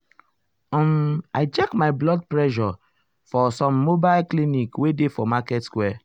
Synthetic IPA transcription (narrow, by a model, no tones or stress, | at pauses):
ɔ̃maɪt͡ʃɛkmajblɔd̚pɹɛʃɔ | fɔsɔ̃mːobaɪlklinikwedefɔmakɛtskwɛ